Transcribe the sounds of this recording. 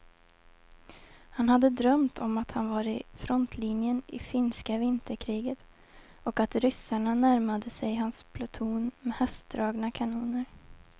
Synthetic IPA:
hanhad̪ːəd̪ɾœmt̪ʰɔmat̪hanvaɾɪfɾɔnt̪ʰlinjənɪ̰fɪnskavɪnt̪əɾkʰɾiːɡət̪ | ɔkat̪ɾʏsaɳanæɾmad̪əsɛjɦanspʰlʊt̪ʰuːnmɛhɛst̪̚d̪ɾɑːɡnakʰanuːnəɾ

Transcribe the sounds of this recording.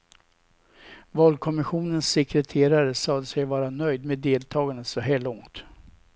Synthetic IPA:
vɑːlkʰɔmɪɧuːnənsːɛkɾɛt̪ʰeːɾaɾəsɑːd̪əsɛjvɑːɾanœjd̪meːd̪eːlt̪ʰɑːɡanəsɔɦæːɭɔŋt̪

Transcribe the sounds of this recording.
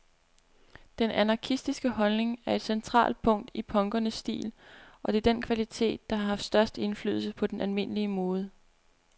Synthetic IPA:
d̥enænɑ̈kʰisd̥isɡ̥əhɒ̽lne̝ŋæɐe̝d̥sent͡sʰʁɑ̰̈ːld̥̚pʰɔ̽ŋ̰d̥ipʰɒ̽ŋɡ̥ɐnəsːd̥ḭːlʔɒ̽d̥e̝d̥enkʰʋælit͡sʰe̝̰ːd̥̚ːɑ̈hɑ̈ɦɑ̈fd̥sd̥ɶɐsd̥e̝nfly̰ːðˠl̩səpʰɒ̽d̥enʔælme̝n̰əliəmoːð̞ˠə

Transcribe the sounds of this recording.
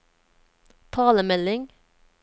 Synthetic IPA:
t̪ʰɑːləmɛlɪŋ

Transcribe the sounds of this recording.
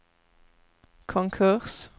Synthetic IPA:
kʰɔŋkʰʉʁs

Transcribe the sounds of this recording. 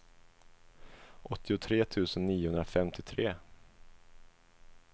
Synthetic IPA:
ʔɔt̪ːɪʊt̪ʰɾeːt̪ʰʉ̟ːsənːiːʊhɵnd̪ɾafɛmt̪ʰɪt̪ʰɾeː

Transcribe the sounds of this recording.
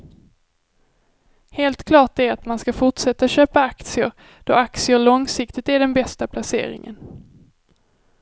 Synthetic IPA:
heːlt̪kʰlɑːʈ̚d̪ɛæat̪manskafʊʈʂɛt̪ːaɕøːpaakt̪sɪʊ̰ɾ | d̪̥ɔak̚t̪sɪəɭɔŋsɪkt̪ɪt̪æɖɛnbɛst̪apʰlasḛːɾɪ̰ŋə̰n

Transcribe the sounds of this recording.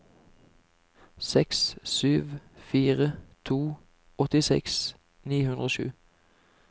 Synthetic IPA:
sɛkssyːʋfiːʁət̪ʰuː | ɔt̪ɪsɛ̰ks | niːhʉnʁoːʃʉ̰ː

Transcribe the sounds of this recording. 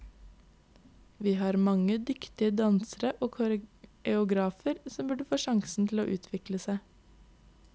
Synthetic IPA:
ʋiːhɑːɾmɑŋəd̪ʏkt̪ɪəd̪ɑnsəɾəʔoːkʰʊɾɛʊɡɾɑːfəɾsɔmbʉɖəfoːʃɑŋsn̩t̪ʰl̩o̰ːʔʉːt̪ʰʋɪkləsæɪ

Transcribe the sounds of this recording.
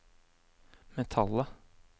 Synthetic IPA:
mɛt̪ʰɑlə

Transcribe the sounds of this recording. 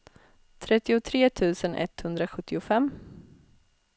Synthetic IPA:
t̪ʰɾɛt̪ːɪʊt̪ʰɾeːt̪ʰʉ̟ːsənʔɛ̰t̪hɵnd̪ɾaɧɵt̪ːɪʊfɛmː

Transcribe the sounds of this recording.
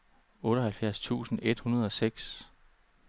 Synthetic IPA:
ɔ̽ːɾɐhælfjæɐ̰st͡sʰṵːsn̩e̝d̥hunɐð̞ˠɒ̽seɡ̥s

